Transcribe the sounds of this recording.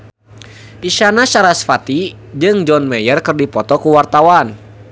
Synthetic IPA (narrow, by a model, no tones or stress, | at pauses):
piʃanaʃaɾasfat̪i | d͡ʒɨŋd͡ʒɔnmɛjərkɨrdipɔt̪ɔkuwart̪awan